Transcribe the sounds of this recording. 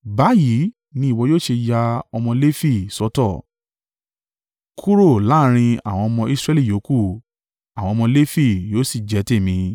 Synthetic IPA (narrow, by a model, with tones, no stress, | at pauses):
ba˨˦ji˨˦ | nĩ˧˦i˨wɔ˧joː˦˨ʃe˧ja˧ɔ˧mɔ̃˧le˦fi˦˨sɔ˨˧˦tɔ˦˨ | kʰu˦ɾo˦˨la˨˦ɾ̃ĩ˧a̰˨w̃ɔ̃˧ɔ˧mɔ̃˧i˧sɾɛ˦li˦˨jo˨˦ku˦˨ | a˨wɔ̃˧mɔ̃˧le˦fi˦˨joː˦si˦˨d͡ʒɛ˨˦te˦˨mĩ˧